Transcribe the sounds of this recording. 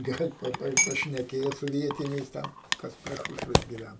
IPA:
ˈɡɐlʲ ˈpɐ ˈpɐ pɐʃʲnʲɛˈkʲeːjoː sʊ ˈʋʲiɛtʲɪnʲɛɪs ˈtʲɛn ˈkɐs pʲrʲɛ ˈʃuːʃʲʋʲɛs ɡʲɪˈʋʲæn

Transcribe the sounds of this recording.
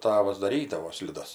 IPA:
ˈtɑːʋɐs dɐˈrʲiːdɐʋoː sʲlʲɪˈdɐs

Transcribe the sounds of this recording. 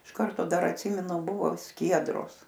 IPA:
ɪʃ ˈkɐrtoː ˈdɐr ɐtʲˈsʲiːmʲɛnʊ ˈbʊʋoː ˈsʲkʲiɛdroːs

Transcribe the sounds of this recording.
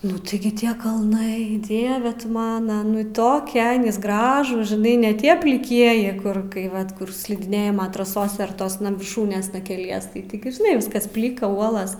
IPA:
ˈnʊ tʲɪˈɡʲɪ ˈtʲiɛ kɐlˠˈnɐɪ ˈdʲiɛʋʲɛ tʊ ˈmɑːnɐ ˈnʊ ˈtoːkʲɛ ˈɡrɑːʒuːs ʒʲɪˈnɐɪ nʲɛ ˈtʲiɛ pʲlʲɪˈkʲiɛjɪ ˈkʊr ˈkɐɪ ˈʋɐt ˈkʊr sʲlʲɪdʲɪˈnʲeːjɪmoː trɐˈsoːsʲɛ ɐr ˈtoːsnɐ ʋʲɪrˈʃuːnʲeːsnɐ kʲɛˈlʲiɛs tɐɪ tʲɪˈɡʲɪ ʒʲɪˈnɐɪ ˈʋʲɪskɐs ˈpʲlʲɪkɐ ˈuɔlˠɐs

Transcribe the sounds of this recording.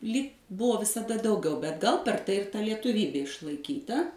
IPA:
lʲiːk ˈbʊʋoː ʋʲɪsɐˈdɐ ˈdɐʊˌɡʲɛʊ bʲɛt ɡɐlˠ pʲɛr ˈtɐɪ ɪr ˈtɐ lʲiɛtʊˈʋʲiːbʲeː ɪʃlˠɐɪˈkʲiːtɐ

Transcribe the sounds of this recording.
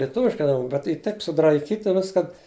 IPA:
lʲiɛˈtʊʋʲɪʃkɐɪ ɐˈnoːn bʲɛt ˈiː ˈtɐɪp sʊdrɐɪˈkʲiːtʲɪ ˈʋʲɪskɐn

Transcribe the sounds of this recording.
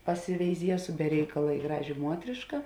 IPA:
pɐsʲɪʋʲɛɪˈzʲiɛsʊ bʲɛ ˈrʲɛɪkɐlˠɐ ɪ ˈɡrɑːʒʲeː ˈmuɔtʲrʲɪʃkɐ

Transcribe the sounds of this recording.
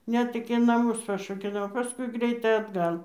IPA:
ˈnʲɛt ɪkʲɪ nɐˈmʊs pɐrʃoːkʲɛˈlʲæːʋoː pɐˈskʊɪ ˈɡrʲɛɪtɐɪ ɐdˈɡɐlˠ

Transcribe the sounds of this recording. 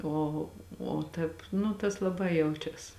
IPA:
ˈoː oː ˈtʲɛːp ˈnʊ tɐs lˠɐˈbɐɪ ˈjɛʊt͡ʃʲɛs

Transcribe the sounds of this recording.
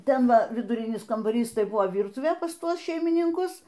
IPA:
ˈtʲɛn ˈʋɐ ʋʲɪdʊˈrʲɪnʲɪs kɐmbɐˈrʲiːs ˈtɐɪ ˈbʊʋoː ˈʋʲiːrtʊʋʲeː pɐs ˈtuɔs ʃʲɛɪmʲɪnʲɪŋˈkʊs

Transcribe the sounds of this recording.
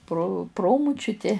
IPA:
proː ˈproːmʊt͡ʃʲʊtʲɪ

